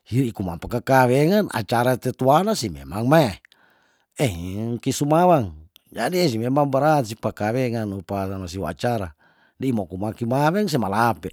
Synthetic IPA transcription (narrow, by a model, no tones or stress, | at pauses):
hiɾikumapakakaweŋanʔa̰t͡ʃaɾat̪ɛt̪uanasimḛmaŋmae | ɛŋkisumawaŋ | d͡ʒadiesimemaŋbaɾat̪s̬ipakaweŋanupasanas̬iwaa̰t͡ʃaɾa | dimokumakimawɛŋs̬ɛmalapɛ